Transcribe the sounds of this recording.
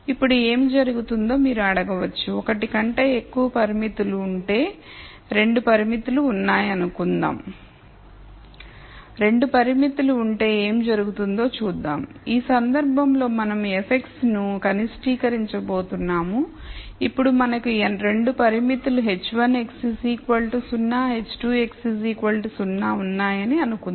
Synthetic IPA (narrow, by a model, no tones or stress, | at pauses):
ipːuɽue̞ːmd͡ʒɐɾuɡut̪und̪o̞ːmiːɾuɐɽɐɡɐʋɐt͡ʃːuɔkɐʈikɐɳʈe̞ːekːuʋɐpɐɾimit̪uluːɳʈe̞ː | ɾe̞ɳɖupɐɾimit̪uluːnːaːjɐnukund̪a̰ːm | ɾe̞ɳɖupɐɾimit̪uluːɳʈe̞ːeːmd͡ʒɐɾuɡut̪und̪o̞ːt͡ʃuːd̪ːaːmiːsɐnd̪ɐɾbʱɐmlo̞ːmɐnɐme̞pʰe̞ksnukɐnisʈiːkɐɾiɲt͡ʃɐbo̞ːt̪unːaːmuipːuɽumɐnɐkuɾe̞ɳɖupɐɾimit̪uluɦe̞t͡ʃːʋɐne̞ksisiːkʋɐlʈisunːaːɦe̞t͡ʃːʈuːe̞ksis̬iːkʋɐlʈisunːaːunːaːjɐniɐnukun